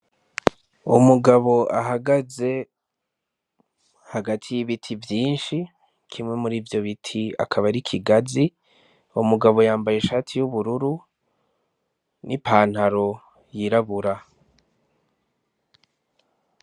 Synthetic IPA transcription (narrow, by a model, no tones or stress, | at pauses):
umuɡaβo̞ʔaɦaɡaze̞ | haɡatʰijiβitʰivjiːnʃi | kʰimŋe̞muɾiːvjo̞βitʰia̰kʰaβaɾikʰiɡazi | umuɡaβo̞jaːmbaje̞ʃaːtʰijuβuɾuɾu | nʔipʰaːn̥haɾo̞ | jiɾaβuɾa